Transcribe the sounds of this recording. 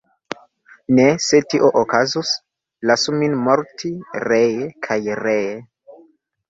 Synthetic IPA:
nesetiʔoʔokazus | lasuminmoɾtʰiɾejekʰajreje

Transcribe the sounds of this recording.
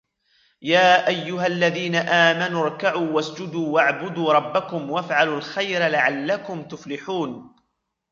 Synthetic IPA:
jaːʔajːʊɦalːaðiːnaʔaːmanʊɾˤkaʕuːwasd͡ʒʊd̪uːwaʕbʊd̪uːɾˤɑbːakʊmwafʕalʊlxajɾalaʕalːakʊmt̪ʊflɪħuːn

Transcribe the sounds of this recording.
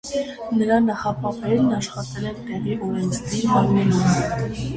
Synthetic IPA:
nəɾɑnɑχɑpɑpɛɾnɑʃχɑt̪ɛlɛnt̪ɛʁiʔɔɾɛnt͡sʰd̪iɾɦɑɾɛlum

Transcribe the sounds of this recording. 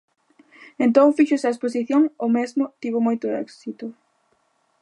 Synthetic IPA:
ent̪õŋfiʃʊɛsɐesposiθjoŋomezmʊt̪iβomojt̪ʊɛ̰ksit̪ʊ

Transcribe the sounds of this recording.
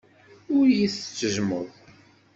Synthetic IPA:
ʊɾjiθə̥t͡sːəʒmʊðˤ

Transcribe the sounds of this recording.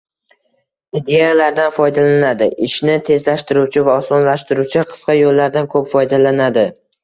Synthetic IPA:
ɪd̪ejalaɾd̪anfɒjd̪alanad̪ɪʔɪʃnɪt̪ʰe̞zlaʃt̪ɪɾuwt͡ʃʰɪvaɒsɒnlaʃt̪ɪɾuwt͡ʃʰɪqʰɨ̥sqɑjolːaɾd̪ankʰɵpfɒjd̪alanad̪ɪ

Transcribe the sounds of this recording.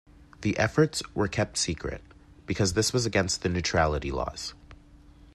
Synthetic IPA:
ðiʔɛfə˞tswə˞kʰɛp̚tsikʰɹɨ̰t̚ | b̥ɨkʰʌzðɪswʌzɨɡɛ̃nst̪̚ðɨnʉtʰɹ̥ælˠəɾilɔ̰z̥

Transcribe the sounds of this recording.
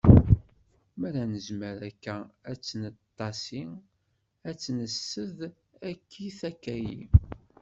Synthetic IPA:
mæɾænəzməɾækːææt͡sːənətt̪ˤːɑsi | æt͡sːnəsːəð | ækʰːiθækːæjḭ

